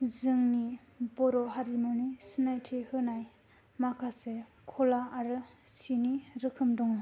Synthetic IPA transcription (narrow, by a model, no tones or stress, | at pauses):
zɯŋni | bɔɾɔɦaɾimɔnisinajtʰehɯnaj | makʰase | kʰɔlaaɾɯsiniɾɯkʰɯmdɔŋɯ